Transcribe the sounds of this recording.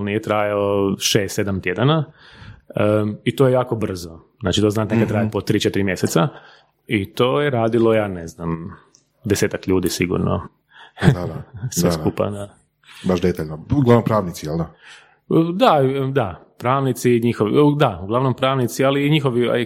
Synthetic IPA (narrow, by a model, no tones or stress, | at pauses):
nijet̪ɾaːjaoʃeːst̪e̞d̪amt̪jed̪ana | əit̪ojejaːko̞br̩zoznaːt͡ʃit̪oznaːt̪nekat̪t̪ɾajepot̪ːɾiːt͡ʃet̪iɾimjeset̪sa | it̪o̞ːjeɾaːd̪ilˠo̞jaːneznam | d̪eseːt̪akʎuːd̪isiɡṵɾno̰ | sʋeskkupa̰d̪a | baʃd̪et̪aʎnouɡlaʋnompɾaːʋnit̪sijeld̪a | d̪ad̪a | pɾaːʋnit̪siɲixoʋḭd̪auɡlˠaʋnompɾaːʋnit̪sialiːɲixoʋia̰